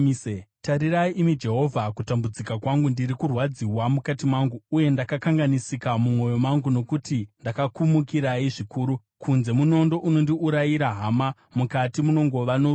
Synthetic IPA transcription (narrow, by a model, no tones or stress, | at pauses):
etaɾiraiʔimid͡ʒe̞ɦo̞vʱakutambud͡zikakwaŋɡundiɾikurwad͡ziwamukatimwaŋɡuːje̞ndakakaŋɡanisikamumo̞jo̞maŋɡuno̞kutindakakumukiɾaiʐikuːɾu | kʰunze̞muno̞ndo̞ʔuno̞ndiuɾajiɾaɦama | mukatimuno̞ŋɡo̞ʋano